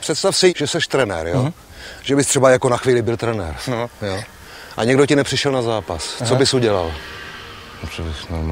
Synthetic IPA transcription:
pr̥ɛt̪st̪afsɪʒɛsɛʃt̪ɾɛnɛ̰ɾjo | ʒ̥ɛbɪst̪r̥ɛbajakonaxviːlɪbɪlt̪ɾɛnɛ̰ɾjo | ʔa̰ɲɛɡdocɪnɛpr̥ɪʃɛlnazaːpast͡sobɪsuɟɛla̰l | nɛprɛvɪsnoɾma

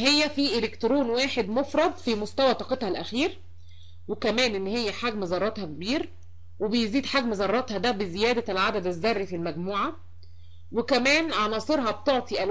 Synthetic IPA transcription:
hejːæfiːʔelekt̪ɾoːnwaːħed̪mofɾˤɑd̪ˤfimost̪æwæt̪ɑːqet̪hɑlʔæxiːɾ | wekæmæːnʔenːhejːæħaɡmezˤɑɾˤːɑt̪hɑkebiːɾ | webejziːd̪ħaɡmezɑrˤːɑt̪hɑd̪æbezejæːd̪ælʕad̪æd̪æzːɑrˤːifilmæɡmuːʕa | wekæmæːnʕanɑːsˤeɾɦɑb̚t̪oʕt̪ˤiʔæl

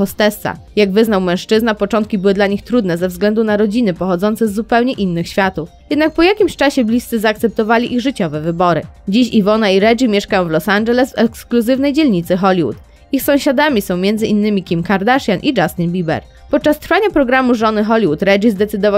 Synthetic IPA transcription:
ɔst̪ɛst̪sa̰ | jaɡvɘznawmɛ̃w̃ʂt͡ʂɘznapɔt͡ʂɔ̃nt̪kʲibɘwɘd̪laɲixt̪ɾud̪nɛzɛvzɡlɛnd̪unaɾɔd͡ʑinɘpɔxɔd̪zɔnt̪sɛzːupɛwɲɛʔinːɘxɕfʲjat̪ufjjɛd̪nak̚pɔjakʲimɕt͡ʂaɕɛblʲist̪sɘzaːk̚t̪sɛp̚t̪ɔvalʲiʔiɣʐɘt͡ɕɔvɛvɘbɔɾɘ̰d͡ʑiɕivɔnaiɾɛd͡ʐimʲjɛʂkajɔ̃w̃vlɔsand͡ʒɛlɛsvɛkskluzɘvnɛjd͡ʑɛlɲit̪sɘxɔlʲiwṵt̪ | ixsɔ̃w̃ɕad̪amʲisɔ̃w̃mʲjɛnzɘʔinːɘmʲikʲimkaɾd̪aʂjanʔid͡ʐast̪inbʲibɛ̰ɾ | pɔt̪̚t͡ʂast̪ɾfaɲapɾɔɡɾamuʐɔnɘxɔlʲiwut̪ɾɛʐizd̪ɛt̪sɘd̪ɔva

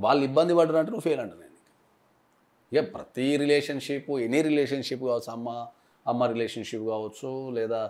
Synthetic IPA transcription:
ʋaːɭːuibːɐnd̪ibɐɽːɐnɐɳʈ̬ːenuːpʰeːlɐɳʈunːenːikɐ̥ | japɾɐt̪iɾileːʂɐnʂipuenːiɾileːʂɐnʂipːkaːʋɐt͡sːuɐmːɐː | mːɐɾileːʂɐnʂipːkaːʋɐt͡ʃːulɛːd̪aː

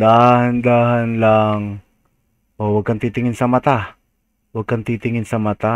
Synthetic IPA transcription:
d̪aːhɐnd̪aːhɐnlaŋ | ʔowɐɡ̚kɐnt̪iːt̪ɪŋɪnsɐmɐt̪a | wɐɡ̚kɐnt̪it̪ɪŋɪnsɐmɐt̪a

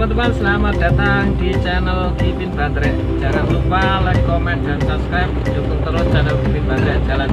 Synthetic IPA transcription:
pərt̪əmansəlamat̪̚d̥̪a̤t̪aŋdit͡ʃɛnəlt̪ipinb̥and̪ɾɛʔ | d͡ʒ̥alaŋlupalɛhkɔmɛndansap̚skɾajp̚d͡ʒukuŋt̪əɾɔst͡ʃɛnəlkipinb̥and̪ɾɛd͡ʒalan

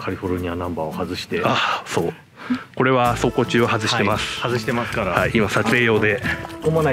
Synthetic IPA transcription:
kʰaɾʲiɸo̞ɾɯ̟ɲ̟ianãmbaːohazɨɕi̥t̪easo̞ː | ko̞ɾe̞βaso̞ːko̞ːt͡ɕɨːohazɨɕit̪e̞masɨ̥hazɨɕi̥t̪emasɨ̥kaɾahaiʔimasat͡sɨe̞jo̞ːd̪e̞omona

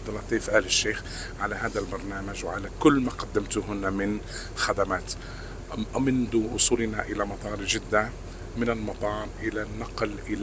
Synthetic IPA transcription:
d̪ːˤɑlɑt̪ːiːfʔaːlɪʃːeːx | ʕalaɦaːd̪albɑɾˤnaːmad͡ʒwʕalakʊlːmaːqad̪ːɪmt̪ʊɦʊnːamɪn | xad̪amaːt̪ | mɪnd̪uʔʊ̰sˤuːlna̰ʔɪlamɑt̪ˤɑːɾˤd͡ʒɪd̪ːa | mɪnɪlmɑt̪ˤɑːɾˤʔɪlanːɑqlʔɪl

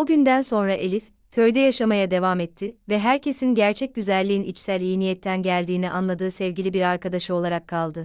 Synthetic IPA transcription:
oɟynd̪ænso̞nɾaʔe̞lʲif | cʰø̞jd̪ɛjaʃamajad̪e̞vamɛt̪ʰːɪvɛɦæɾcʰe̞sinɟæɾt͡ʃʰɛc̚ɟyzælʲːiːinit͡ʃsælʲːijinijɛt̪ʰːænɟælʲd̪iːniʔanlˠad̪ɯːsɛvɟilʲibiɾaɾkad̪aʃɯo̞lˠaɾakʰːalˠd̪ɯ

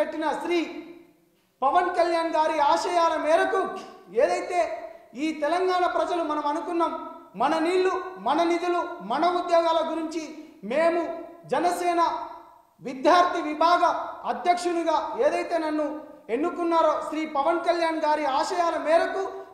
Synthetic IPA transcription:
eʈːinɐʃɾiː | pɐʋɐnkɐljaːnɡaːɾiaːʃɐjaːlɐmɛːɾɐkueːd̪ɐjt̪e̞ːiːt̪ɛlɐŋɡaːɳɐpɾɐd͡ʒɐlumɐnɐmɐnukunːaːmːɐnɐniːɭːumɐnɐnid̪ulumɐnɐud̪jɔːɡaːlɐɡuɾiɲt͡ʃimeːmud͡ʒɛnɐsɛːnɐ | ʋid̪jaːɾt̪iʋibʱaːɡɐɐd̪jɐkʂunuɡaːeːd̪ɐjt̪e̞ːnɐnːue̞nːukunːaːɾoːʃɾiːpɐʋɐnkɐljaːnɡaːɾiaːʃɐjaːlɐmɛːɾɐku

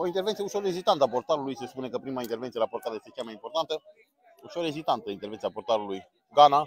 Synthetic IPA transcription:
oint̪eɾvɛnt̪jeusolezit̪ant̪apːoɾt̪aɾlujseskunekapːɾiːmaint̪eɾvɛnjelaport̪at̪esikʲjamɛimpoɾt̪ant̪e | usoɾezit̪ant̪əint̪eɾvɛnjapːoɾt̪aɾluj | ɡana

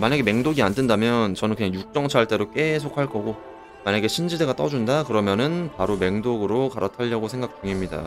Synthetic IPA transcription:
maɲaɡeme̞ŋdoɡiandendamjʌnt͡ɕʌnɯnkɯɲaŋjuk̚t͡ɕ͈ʌŋt͡ɕʰaɭt͈e̞ɾok͈e̞sʰok̚ʰaɭk͈ʌɡo | maɲaɡe̞ɕʰind͡ʑide̞ɡat͈ʌd͡ʑundakɯɾʌmjʌnɯnpaɾome̞ŋdoɡɯɾokaɾatʰaʎːʌɡosʰe̞ŋɡak̚t͡ɕ͈uŋimɲida̰

